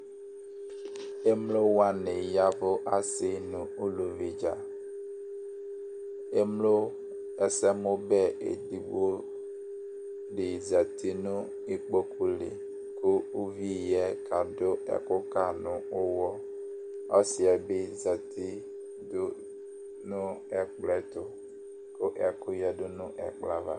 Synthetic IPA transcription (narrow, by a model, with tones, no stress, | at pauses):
e˦mlo˦wa˦nɪ˨ja˦vʊ˦ʔa˦sɪ˦˨nʊ̃˨u˦lu˨vi˨d͡ʒa˨ | e˦mlo˦ | ɛ˦sɛ˦mʊ̃˦bɛ˦ḛ˨di˨ɡ͡bo˦ | ɖɪ˨zɛ˨ti˦nʊ̃˦ | i˦k͡po˦ku˦lɪ̰˨ | kʊ˦u˦vi˦˨jɛ˦ka˨dʊ˦ɛ̰˨kʊ˦ka˨nʊ̃˨ʊ˦wɔ˦ | ɔ˦sɪ˨ɛ˨bɪ˦za˨tɪ˦ | dʊ˦ | nʊ˦ɛ˨k͡plɛ˦tʊ˨ | kʊ˦ʔɛ˨kʊ˦jɛ˦dʊ˦nʊ̃˦ʔɛ̰˨k͡pla˦va̰˨